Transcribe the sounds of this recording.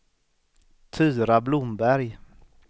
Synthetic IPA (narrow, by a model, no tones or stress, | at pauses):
t̪ʰʉːɾablʊmbæɾj